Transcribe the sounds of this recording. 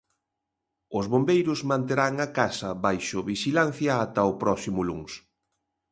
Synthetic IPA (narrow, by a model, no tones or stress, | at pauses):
ʊzβombejɾʊzmãnt̪eɾaŋakasɐβajʃʊβiʃilan̟θjɐːt̪ɐʊpɾɔsimʊluŋs